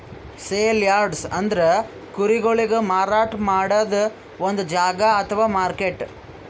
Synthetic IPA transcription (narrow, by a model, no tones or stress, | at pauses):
seːljaːɾɖsɐnd̪ɐɾe | kuɾiɡoɭiɡemaːɾaːʈmaːɽɐd̪ɐ | ond̪ud͡ʒaːɡɐɐt̪ʰɐʋaːmaːɾkeʈ